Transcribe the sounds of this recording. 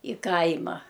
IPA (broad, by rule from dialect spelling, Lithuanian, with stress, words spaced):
ɪ ˈkɐɪmɐ